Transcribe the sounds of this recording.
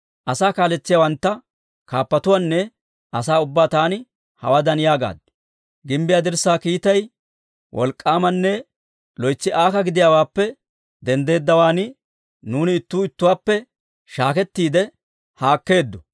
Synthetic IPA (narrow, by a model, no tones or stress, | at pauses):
ʔɐsaːkaːlɛt͡sːɪjawɐnt̪ːɐ | kaːpːɐt̪ʊwaːnːɛ | ɐsaːʊbːaːt̪aːnɪ | hɐ̰wad̪ɐnɪjaːɡa̰ːd̪ːɛ̥ | ɡɪmbɪjaːd̪ɪɾsaːkiːt̪ɐj | wʔɔ̰lkʼːaːmɐnːɛ | lɔjt͡sːɪʔaːkɐɡɪd̪ɪjaːwaːpːɛ | d̪ɛnd̪e̞ːd̪ːɐwaːnɪ | nuːnɪːt̪ːuːɪt̪ːʊwaːpːɛ | ʃaːkɛt̪ːiːd̪ɛ | haːkːe̞ːd̪ːɔ